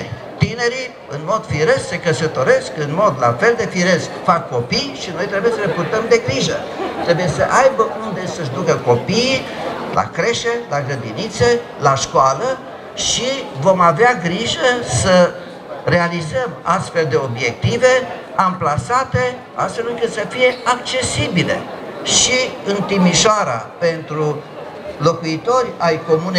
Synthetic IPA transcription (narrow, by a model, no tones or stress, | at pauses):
t̪ine̞ɾi | ɨnmo̞d̪̥fiɾesse̞kəsət̪o̞ɾe̞skɨnmo̞d̪la̰fe̞ld̪e̞fiɾe̞skfakːo̞pijʃino̞jt̪ɾebuje̞səlepurt̪əmd̪e̞ɡɾiʒə̰ | t̪ɾe̞buje̞səʔajbəʔund̪e̞səʒd̪ukəko̞pi | lʔa̰kɾe̞ʃelaɡɾəd̪init̪se̞ | laʃkwalə | ʃivo̞maveaɡɾiʒəsə | ɾe̞alizəmast̪fe̞ld̪e̞o̞bje̞k̚t̪ive̞ | amplasat̪e̞ | a̰st̪fe̞lɨŋkɨt̪səfije̞ak̚t͡ʃe̞sibile̞̰ʃiɨnt̪imiʃoaɾa̰pe̞nt̪ɾu | lo̞kuit̪o̞rʲajko̞mune